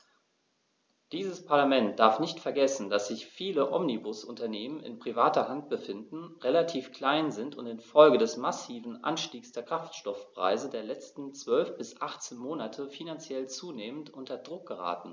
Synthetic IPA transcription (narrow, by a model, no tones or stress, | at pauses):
d̥iːzəspʰaɐlamɛnt̚d̥aɐfnɪçtfɛɐɡɛsn̩dasz̥ɪçfiːləʔɔmnibʊsʔʊntɐneːmənɪ̰npʁ̥ivaːtɐhant̚b̥əfɪndn̩ʁelatʰiːfkl̥aɪnzɪntʊntɪnfɔlɡədɛsmasiːvn̩ʔa̰nʃtiːksd̥eːɐkʁ̥aftʃtɔfpʁ̥a̰ɪzədeːɐlɛt͡stn̩t͡sv̥œlfb̥ɪsʔaχt͡seːnmoːnatʰəfinant͡sjɛlt͡suːneːməntʔʊntɐdʁʊk̚ɡ̥əʁa̰ːtn̩